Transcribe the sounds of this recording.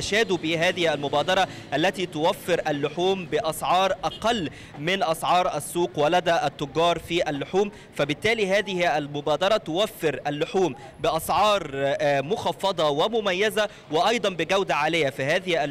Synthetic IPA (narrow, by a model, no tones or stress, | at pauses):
ʃæːd̪ubɪɦæːðɪhælmʊbæːd̪ɑɾˤɑʔælːæt̪iːt̪ʊwæfːɪɾʔælːʊħuːmbɪʔɑsˤʕɑːɾˤʔɑqɑlː | mɪnʔɑsˤʕɑːɾˤʔæsːuːqwælæd̪æːʔæt̪ːʊɡːɑːɾˤfiːʔælːʊħuːm | fæbɪt̪ːæːliɦæːðɪhʔælmʊbæːd̪ɑɾˤɑt̪ʊwæfːɪɾʔælːʊħuːm | bɪʔɑsˤʕɑːɾˤmʊxɑfːɑd̪ˤɑwɪmʊmæjːæzæ | wɪʔɑjd̪ˤɑnbɪɡæwd̪aʕaːlɪjːæfiɦæːðɪhʔæ